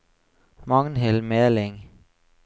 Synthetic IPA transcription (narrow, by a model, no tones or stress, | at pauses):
mɑŋn̩ɦelmeːɐleŋə